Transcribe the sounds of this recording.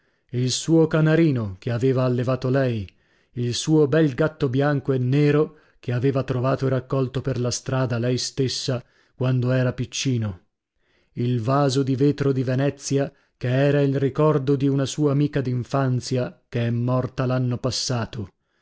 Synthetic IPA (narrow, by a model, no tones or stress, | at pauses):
ilsuːokanaɾiːnokeaveːvaːlːevaːt̪olɛj | ilsuːobɛlɡat̪ːobjaŋkoenːeːɾo | keaveːvat̪ɾovaːt̪oeɾakːɔlt̪operlast̪ɾaːd̪alɛjst̪esːa | kwand̪oɛːɾapit͡ʃːiːno | ilvaːzod̪iveːt̪ɾod̪ivenɛt̪sːja | keɛːɾailrikɔrd̪od̪iunasuːaːmiːkad̪iɱfant̪sjakeɛmːɔrt̪alanːopasːaːt̪o